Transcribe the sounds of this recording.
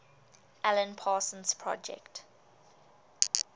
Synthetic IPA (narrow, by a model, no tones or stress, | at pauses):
ɛlə̃npʰaːsə̃nspʰɹɔ̰d͡ʒɛ̰kt